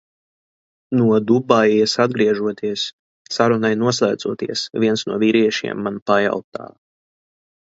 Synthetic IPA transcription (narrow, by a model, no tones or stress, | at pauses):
nuɔd̪ubajjasad̪̚ɡɾiɛʒuɔt̪ʰiɛsː | aɾunajnuɔslˠaːd̪zuɔt̪ḭɛsvʲiɛnsnṵɔviɾiɛʃḭɛmːanpaja̰wt̪a̰ː